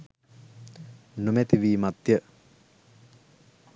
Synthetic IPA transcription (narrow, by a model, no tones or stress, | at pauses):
numɛt̪iʋiːmat̪jə